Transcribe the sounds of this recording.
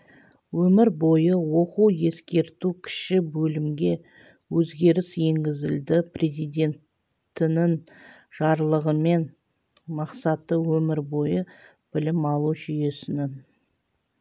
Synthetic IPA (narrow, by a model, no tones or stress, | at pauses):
wɵmɪɾbo̞jəwo̞quwje̞skʲe̞ɾt̪ukʲʰɪ̥ʃɪbɵlɪmɡʲe̞ | wɵzɡʲe̞ɾɪsje̞ŋɡʲɪzɪld̪ɪpre̞zijd̪ʲe̞nt̪ | t̪ɪnɪŋ | ʒ̥ɑɾlˠəʁəme̞n | mɑqsɑt̪əwɵmɪɾbo̞jə | b̥ɪlɪmɑlˠuʒʏje̞sɪnɪn